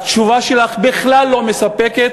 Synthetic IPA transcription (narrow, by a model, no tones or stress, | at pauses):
t͡ʃuvaʃe̞laχbiχlalːo̞mesapeket̪